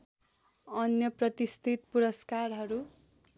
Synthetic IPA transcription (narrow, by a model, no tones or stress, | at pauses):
ʌnjʌprʌt̪ist̪ʰit̪puɾʌskarɦʌɾu